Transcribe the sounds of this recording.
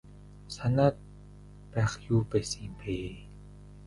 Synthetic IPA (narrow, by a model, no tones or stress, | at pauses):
sanat̪̚ | pɛxjuːpasiːmpʰeː